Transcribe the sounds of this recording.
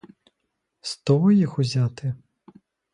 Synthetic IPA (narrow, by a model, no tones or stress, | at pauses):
st̪ɔvɔjixuzʲat̪ɪ